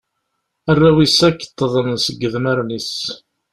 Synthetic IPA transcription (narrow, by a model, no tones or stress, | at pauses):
ærːæwisækːə̥t̪ˤːəðˤənsəɡːəðməɾnis